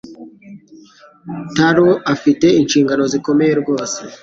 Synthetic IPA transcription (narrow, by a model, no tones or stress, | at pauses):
taɾoafite̞inʃiːŋɡano̞ziko̞meje̞ɾɡo̞ːse